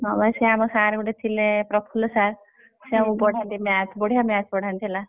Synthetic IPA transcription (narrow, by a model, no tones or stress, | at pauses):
ɔbaseamɔsaɾɡuʈet̪ʰilẽpɾɔpʰulɔsaɾ | sẽũpɔɽ̤ʱant̪imjat̪ʰbɔɽ̤ijamjat̪ʰpɔɽ̤ant̪ʰila